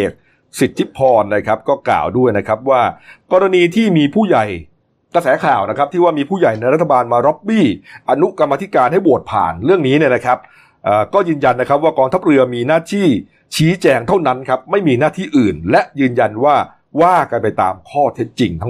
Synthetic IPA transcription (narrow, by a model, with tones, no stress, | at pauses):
eː˨˩t̪̚ | si˨˩t̪̚ʰːi˦˥pʰːɔː˧nlɤː˧jkʰa˦˥p̚kɔː˥˩kla̰ː˨˩wdu˥˩əjna˦˥kʰɾa˦˥p̚waː˥˩kɔː˧ɾa˧niː˧t̪ʰiː˥˩miː˧pʰuː˥˩ja˨˩j | kɾa˧sɛː˩˦kʰaː˨˩wna˦˥kʰa˦˥p̚t̪ʰiː˥˩waː˥˩miː˧pʰuː˥˩ja˨˩jna˧jɾt̪ʰːa˧baː˧nmaː˧ɾɔ˦˥p̚biː˥˩ʔa˧nu˦˥ka˧mːaː˧t̪ʰi˦˥kaː˧nɦa˥˩jbu˨˩ət̪̚pʰa̰ː˨˩nɾɯ˥˩əŋniː˦˥ni˥˩ɐna˦˥kʰɾa˦˥p̚ | ʔaː˨˩kɔː˥˩jɯː˧nja˧nːa˦˥kʰɾp̚waː˥˩kɔː˧ŋt̪ʰa˦˥p̚ɾɯ˧ɐmiː˧naː˥˩t̪ʰiː˥˩ | t͡ɕʰiː˦˥t͡ɕɛː˧ŋt̪ʰa˥˩wna˦˥nkʰa˦˥p̚ma˥˩jmiː˧naː˥˩t̪ʰiː˥˩ʔɯː˨˩nlɛ˦˥ʔjɯː˧nja˧nwaː˥˩ | waː˥˩ka˧npa˧jt̪aː˧mkʰɔː˥˩t̪ʰe˦˥t̪̚t͡ɕi˧ŋt̪ʰa˦˥ŋ